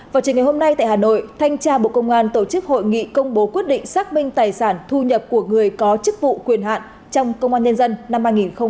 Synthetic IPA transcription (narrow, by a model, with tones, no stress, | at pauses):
vaː˨˩wt͡ɕɨ˨˦ŋa˨˩jho˧mna˧jt̪a̰ː˧˨haː˨˩no̰˧˨jt̪ʰa˧jŋ̟t͡ɕaː˧ɓo̰˧˨kə˧wŋ͡mʔaː˧nt̪o˧˩t͡ɕɨ˦˥k̚ho̰˧˨jŋḭ˧˨kə˧wŋ͡mɓo˨˦kwi˦˥t̚ɗḭ̈˧˨ŋ̟saː˦˥k̚mï˧ŋ̟t̪aː˨˩jsaː˧˩nt̪ʰu˧ɲə˨˩p̚ku˧˩əŋɨ˨˩əjkɔ˨˦t͡ɕɨ˦˥k̚vṵ˧˨kwi˨˩ənɦa̰ː˧˨n | t͡ɕɔ˧wŋ͡mkə˧wŋ͡mʔaː˧nɲə˧nzə˧nna˧mhaː˧jŋi˨˩nxə˧ŋ͡m